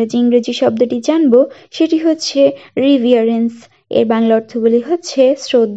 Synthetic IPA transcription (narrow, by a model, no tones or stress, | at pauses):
ed͡ʑiiŋɡɾed͡ʑiʃɔb̚d̪oʈid͡ʑanboʃeʈiɦotːɕʰeɾibʱiaɾens | ḛɾbaŋlaɔɾt̪ʰoɡuliɦotːɕʰesɾod̪ʱ